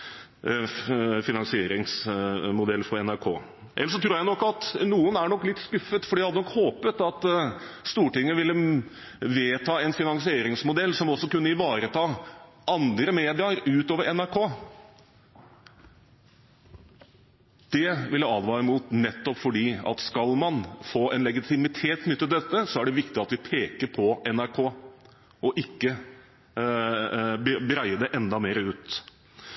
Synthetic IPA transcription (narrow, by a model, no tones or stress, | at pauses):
fɪnɑŋsɪeːɾɪŋsmʊd̪ɛlːfɔɾɛnæɾkʰo̰ː | ʔɛlːəʂɔt̪ʰɾuːɾjæɪnɔkːɑt̪nuːənæɳɔkːlɪt̪ːskʉfːət̪fɔɖiːhɑd̪ənɔkhoːpət̪ɑt̪ | st̪uːʈɪŋːəʋɪlːə | ʋeːt̪ʰɑːɛnfɪnɑŋsɪeːɾɪŋsmʊd̪ɛlːsɔmɔsːɔkʉnːəɪʋɑːɾət̪ʰɑːʔɑnd̪ɾəmeːd̪ɪɑɾʉːt̪oːʋəɾɛnæɾkʰoː | d̪̥ɛʋɪljɑɑːd̪ʋɑːɾɪmuːt̪nɛt̪ːɔpfɔɖiːɑ̰t̪skɑlmɑnfoːʔɛnlɛɡɪt̪ʰɪmɪt̪ʰeːt̪nʏt̪ːət̪d̪ɛt̪ːəsɔæɖɛʋɪkt̪ɪɑt̪ʋɪpʰeːkəɾpʰɔɛnæɾkʰoː | ɔʔɪkːə | bbəɾæɪəd̪ɛʔɛnd̪ɑmeːɾəʉːt̪